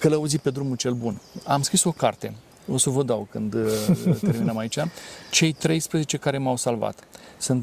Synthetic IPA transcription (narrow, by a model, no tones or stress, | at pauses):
kəlauzipe̞d̪ɾumult͡ʃe̞lbuna̰mskɾiso̞ka̰rt̪e̞ | o̞səvəd̪awkɨnd̪t̪e̞ɾminəmait͡ʃat͡ʃe̞jt̪ɾe̞jspɾəze̞t͡ʃe̞kaɾe̞mawsalva̰t̪sɨnt̪